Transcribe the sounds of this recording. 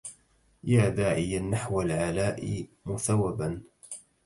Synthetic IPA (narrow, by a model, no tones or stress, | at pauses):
jaːd̪aːʕɪjanːaħwalʕalaːʔɪmʊθawːaban